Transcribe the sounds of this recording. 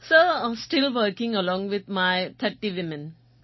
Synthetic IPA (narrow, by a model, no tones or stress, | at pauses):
sosʈilwəkɪ̃ŋəlɔ̃ŋwɪt̪̚maɪt̪ʰətiwɪmə̃n